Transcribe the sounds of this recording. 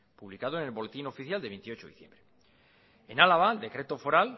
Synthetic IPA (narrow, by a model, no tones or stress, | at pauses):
puβlikaðoene̞lβo̞let̪ino̞fiθjald̪e̞e̞nt̪io̞t͡ʃoiθjembɾe | enalaβaeld̪e̞kɾe̞t̪ofo̞ɾal